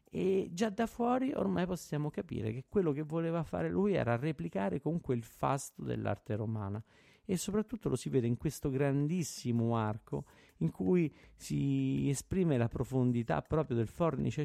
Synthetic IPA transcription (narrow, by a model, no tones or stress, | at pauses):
ed͡ʒad̪afwɔːɾiʔo̰rmajposːjaːmokapḭːɾḛk̟ekːwelːokevːoleːvafa̰ːɾelujɛ̰ːɾareplikaːɾekomuŋkweilfa̰st̪od̪ḛlːa̰rt̪eɾoma̰ːna | esːopɾat̪ːut̪ːolʔosivɛːd̪eiŋkwest̪oɡɾand̪isːimoarko̰ | iŋkʰujsiespɾiːmelapɾofond̪it̪a̰pːɾɔːpɾjod̪elfɔrnḭt͡ʃe